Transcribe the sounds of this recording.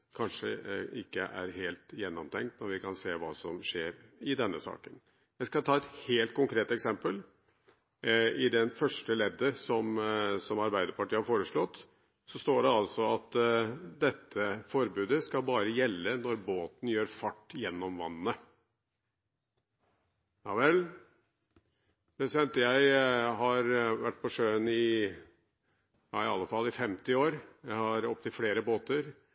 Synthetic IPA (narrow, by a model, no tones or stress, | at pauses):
kʰɑnʂəɪkːəʔæ̰ɾɦeːlt̪jɛnːɔmt̪ʰɛŋkt̪nɔɾʋɪkʰɑnseːʋɑ̰ːsɔmʂeːɾɪd̪ɛnːəsɑ̰ːkən | jæɪskɑt̪ʰɑːɛt̪heːlt̪̚kʰʊŋkʰɾeːt̪ɛksɛmpəl | ɪd̪ɛnfœʂʈəleːd̪əsɔmsɔmɑɾbæɪd̪əɾpɑʈiːəhɑɾfoːɾəʂɭɔt̪ː | sɔst̪oːɖɛɑlsɔɑt̪d̪ɛt̪ʰːəfɔɾbʉːd̪əskɑlbɑːɾəjɛlːənɔɾboːt̪n̩jøːɾfɑʈːjɛnːɔmʋɑ̰nːnə | jɑːʋɛl | mɛsɛnt̪jæɪɦɑɾʋæʈ̚ːpʰɔʂøːənɪ | jɑ̰ːɪɑlːəfɑlːɪfɛmt̪ɪoːɾjæɪhɑɾɔp̚t̪ʰɪlfleːɾəboːt̪əɾ